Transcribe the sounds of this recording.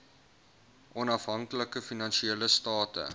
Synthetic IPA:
ʔɔnɐfɦɐŋkləkəfinɐnʃieːləstɑːtə̰

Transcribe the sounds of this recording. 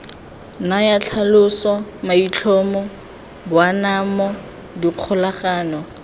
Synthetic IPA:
najat͡ɬʰalʊsɔmait͡ɬʰɔmɔ | bwanamɔ | diq͡χʰʊlaχaːnɔ

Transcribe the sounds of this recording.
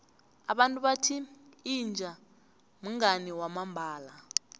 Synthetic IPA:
aɓantʼuɓatʰiːnd͡ʒʱa | m̩ŋaniwamambʱaːla

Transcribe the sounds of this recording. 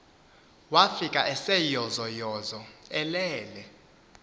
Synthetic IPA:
wafikʼaʔɛsɛjɔzɔjɔzɔɛlɛːlɛ

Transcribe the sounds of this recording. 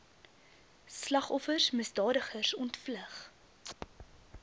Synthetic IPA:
slɐχɔfərsməsdɑːdəχərsɔntfləχ

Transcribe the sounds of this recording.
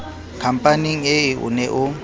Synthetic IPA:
kʰam̩pʼaniŋ̩eiʔṵnɛʔʊ

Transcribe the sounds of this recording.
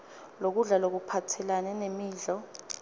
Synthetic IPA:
lok̬uɮalok̬upʰatʰɛlanɛnemiːɮɔ

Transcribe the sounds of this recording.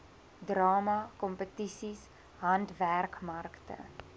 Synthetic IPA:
drɑːmɐkɔmpətisis | ɦɐntværkmɐrktə̰

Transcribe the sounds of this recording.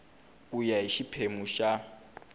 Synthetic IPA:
ujaiʃipʰemuʃa

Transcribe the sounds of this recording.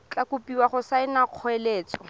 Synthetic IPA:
t͡ɬakʊpiwaχʊsaɪnaq͡χʰɔeleːt͡sɔ

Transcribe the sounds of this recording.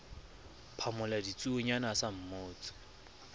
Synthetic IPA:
pʰamʊladit͡sʼuʊɲanasam̩moːt͡sʼɪ̥

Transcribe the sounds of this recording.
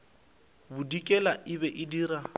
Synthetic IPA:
bʊdikʼɛlaʔɪbɛʔɪdiːɾa

